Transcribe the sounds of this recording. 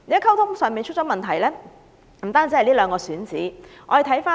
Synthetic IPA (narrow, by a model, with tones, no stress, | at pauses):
ne˨˧˥kʰɐ˥wt̪ʰʊ˥ŋsœː˨˧ŋmiː˨˧nt͡ʃʰɵ˥t̚t͡ʃɔː˨˧˥mɐ˨nt̪ʰɐ˨˩jlɛː˥ | m̩˨˩aː˥nt͡siː˨˧˥ɐ˨liː˥lœː˨˧ŋkɔː˧syː˨˥nt͡siː˨˥ʔɔ̰ː˨˧je˨˧t̪ʰɐ˨˥jfaː˥